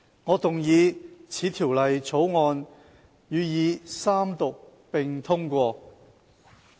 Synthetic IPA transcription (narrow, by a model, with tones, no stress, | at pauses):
ŋɔː˨˧t̪ʊ˨ŋjiː˨˧t͡sʰiː˨˥t̪ʰiː˨˩wlɐ˨jt͡sʰo˨˥wŋɔː˧n | jyː˨˧jiː˨˧saː˥mt̪ʊ˨k̚ | pɪ˨ŋt̪ʰʊ˥ŋkʷɔː˧